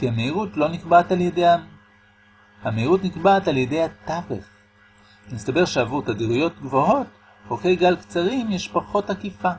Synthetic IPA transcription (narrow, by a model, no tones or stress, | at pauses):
kihameiʁutlo̞nikbataljedeja | hameiʁutnikbaːtaljede̞jhat̪avḛχ | nistabe̞ʁʃeavuʁt̪adiʁujo̞t̪ɡvo̞ɦo̞t̚ | hokejɡalkt͡saʁimjeʃpaχo̞thakifa